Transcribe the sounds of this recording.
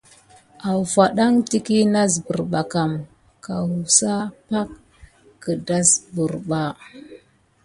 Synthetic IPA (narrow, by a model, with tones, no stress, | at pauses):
a˨wfa˨ɗa˦ŋti˦ki˦na˦zbu˨ɾɓa˨ka˨m | ka˨wu˨sa˦pa˦kː | ə˨da˦sbu˨ɾɓa˦